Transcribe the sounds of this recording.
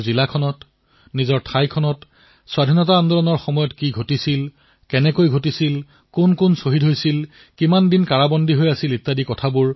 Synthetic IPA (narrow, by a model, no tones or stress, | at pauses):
zilakʰɔnɔt | nizɔɹtʰajkʰɔnɔt | swadʱinɔtaːndɔlɔnɔɹxɔmɔjɔtkiɡʱotisil | kɛnɛkojɡʱotisil | kʊnkʊnsoɦidɦojsil | kimandinkaɹabɔndʱiɦojasilitːadikɔtʰabʊɹ